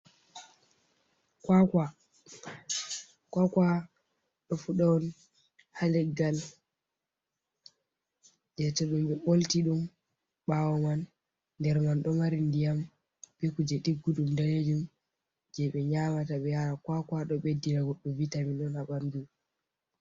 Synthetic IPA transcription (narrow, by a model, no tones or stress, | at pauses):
kwaka | kwakwa | ɗɔfuɗawɔn | halɛɡːal | d͡ʒɛtɔɗumɓɛɓoltiɗum | ɓawɔmanː | dɛɾmanɗɔmaɾindijam | bekud͡ʒɛɗiɡːuɗumdaled͡ʒum | d͡ʒɛɓɛɲamataɓɛjaɾakwakwaɗɔɓedinaɡɔɗːɔvitaminɗɔnhaɓandu